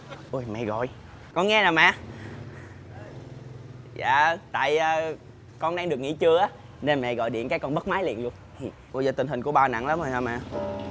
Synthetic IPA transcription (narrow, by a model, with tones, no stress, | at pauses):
ʔu˧˩jmɛ̰˧˨ɣɔ̰˧˨j | kɔ˧nŋɛ˧naː˨˩mɛ̰˧˨ | za̰ː˧˨t̪a̰ː˧˨jəː˨˧˩ | kɔ˧nɗaː˧ŋɗɨ˨˩ək̚ŋḭ˧˥t͡ɕɨ˧əʔaː˨˦ | ne˧nmɛ̰˧˨ɣɔ̰˧˨jɗḭ˧˨ənkaː˨˦jkɔ˧nɓə˦˥t̚maː˨˦jlḭ˧˨ənlu˧ən | i˨˩ | ʔu˧˩jzɔː˨˩t̪ï̟˨˩hi˨˩ku˧˩əɓaː˧wna̰˧˩˨ŋla˨˦mzo˨˩jha˧˩mɛ̰˧˨